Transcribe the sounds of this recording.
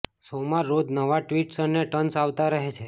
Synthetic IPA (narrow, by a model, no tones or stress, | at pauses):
somaɾːod̪nəʋaʈʋiʈsənːeʈənsaʋt̪aɾəɦet͡ʃʰe